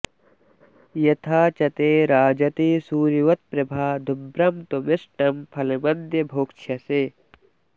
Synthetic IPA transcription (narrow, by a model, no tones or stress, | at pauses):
jɐt̪ʰaːt͡ʃɐt̪eːɾaːd͡ʒɐt̪isuːɾiʋɐt̪̚pɾɐbʱaːd̪ʱʊbɾɐmt̪omɪsʈɐmpʰɐlɐmɐnd̪jɐbʱoːkt͡ʃʰɐseː